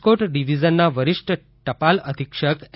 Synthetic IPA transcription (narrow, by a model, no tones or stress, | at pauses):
koʈɖiʋid͡ʒənːaʋəɾɪʃʈə | ʈəpaləd̪ʱikʃək